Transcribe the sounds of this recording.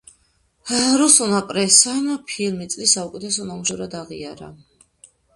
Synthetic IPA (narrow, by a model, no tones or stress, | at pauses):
ɾusunapʼɾɛsanapʰilmit̪sʼlisaukʼɛt̪ʰɛsɔnamuʃɛɾad̪aʁḭaɾa̰